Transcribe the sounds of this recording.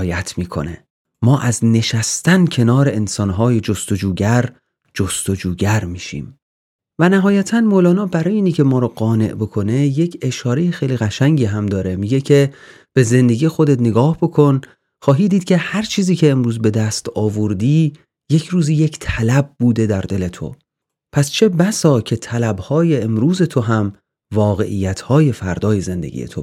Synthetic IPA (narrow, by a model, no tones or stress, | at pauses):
jæt̪ʰmiːkʰo̞̰ne̞̰ | mɒːʔæzne̞ʃæst̪æncʰe̞nɒːɾe̞ensɒːnɦɒːjed͡ʒost̪od͡ʒuːɟæɾ | d͡ʒost̪o̞d͡ʒuːɟæɾmiːʃḭːm | vænæɦɒːjæt̪ʰænmoːlɒːnɒːbæɾɒːjeiːnicʰe̞mɒːɾɒːɡɒːne̞̰ʔbo̞kʰo̞ne̞je̞cʰe̞ʃɒːɾe̞jexejliːɣæʃæŋɟiːɦæmd̪ɒːɾe̞miːɡe̞cʰe | b̥e̞ze̞nd̪e̞ɡiːjexo̞d̪e̞t̪neɡɒːhb̥o̞kʰo̞n | χɒːɦiːd̪iːd̪̥̚cʲʰe̞hæɾt͡ʃʰiːziːcʰe̞ːmɾuːzbe̞d̪æst̪ɒːvoɾd̪iː | je̞cʰɾuːziːje̞cʰt̪ʰælæb̚buːd̪e̞d̪æɾd̪e̞le̞t̪ʰo̞̰ | pʰæst͡ʃʰe̞bæsɒːcʰe̞t̪ʰælæbhɒːje̞ːmɾuːze̞t̪ʰo̞ɦæm | vɒːɣe̞̰ʔḭjːæt̪ʰhɒːje̞fæɾd̪ɒːje̞ze̞nd̪ḛɟḭjḛt̪ʰo